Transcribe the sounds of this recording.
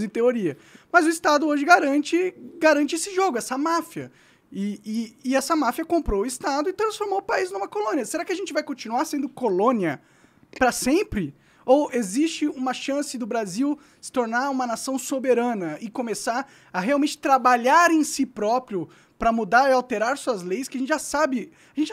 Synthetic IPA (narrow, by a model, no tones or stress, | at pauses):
zẽt̪eoɾiɐ | mɐzʊist̪ad̪ʊoʒɪɡaɾɐ̃t͡ʃɪɡaɾɐ̃nt͡ʃɪesɪʒoɡʊɛsɐmafiɐ̰ | ɪɪːɛsɐmafiɐkõmpɾowʊist̪ad̪ʊɪt̪ɾɐ̃sfoɾmowʊpaiznũmɐkolõniɐseɾakɪɐʒẽnt͡ʃɪvajkõt͡ʃinuaɾsẽnd̪ʊkolõniɐ | pɾɐsẽmpɾɪ | owezist͡ʃɪũmɐʃɐ̃sɪd̪ʊbɾaziw | sɪ̥t̪oɾnaɾũmɐnasɐ̃w̃sobeɾɐ̃nɐɪkõmesaɾ | ɐɦeawmẽnt͡ʃɪ̥t̪ɾabaʎaɾẽj̃sipɾɔpɾiʊ | pɾɐmud̪aɾɪawt̪eɾaɾsuɐzlejskɪɐʒẽtt͡ʃɪʒasabɪ | aʒẽnt͡ʃɪ